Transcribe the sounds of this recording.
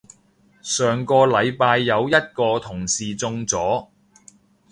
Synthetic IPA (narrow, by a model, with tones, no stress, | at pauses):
sœː˨ŋkɔː˧lɐ˨˧jpaː˧jːɐ˨˧wjɐ˥t̚kɔː˧t̪ʰʊ˨˩ŋsiː˨t͡sʊ˧ŋt͡sɔː˨˥